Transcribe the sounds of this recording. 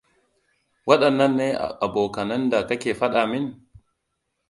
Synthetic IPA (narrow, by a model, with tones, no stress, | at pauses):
wɐ˦ɗɐ˨nːɐ˦nːeː˦ʔa̰˨ʔa˨boː˨kɐ˨nɐ˦nda˨kɐ˦kʲeː˨ɸɐ˦ɗaː˨mɪ˦n